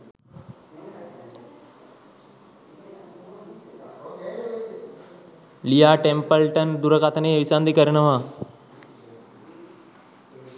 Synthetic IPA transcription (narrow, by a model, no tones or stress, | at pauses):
lijaːʈempəlʈənd̪uɾɐkat̪əneːʋisand̪ikəɾɐnəʋa